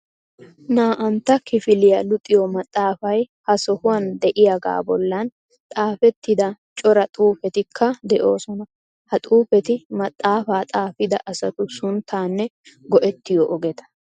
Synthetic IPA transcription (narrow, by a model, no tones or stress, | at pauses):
naːʔɐnt̪ːɐkɪfɪlɪjɐlʊt̪ʼːɪjɔmɐt̪ʼːaːfɐj | hɐsɔhʊwɐnd̪ɛʔɪjaɡa̰ːbɔlːɐn | t̪ʼaːfɛt̪ːɪd̪ɐt͡ʃʼɔɾɐt̪ʼuːfɛt̪ɪkʰːɐd̪ɛʔo̞ːsɔnɐ | hɐt̪ʼuːfɛt̪ɪmɐt̪ʼːaːfaːt̪ʼaːfɪd̪ɐ̰ʔɐsɐt̪ʊsʊnt̪ʰːaːnːɛɡɔʔɛt̪ːɪjɔʔɔɡɛt̪ɐ̥